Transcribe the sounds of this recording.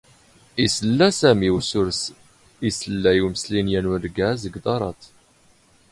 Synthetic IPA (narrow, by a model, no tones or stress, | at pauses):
isəlːæsæmiwsʊɾs | isəlːæjuməslinjænuɾɡæzəɡd̪ˤɑɾˤɑt̪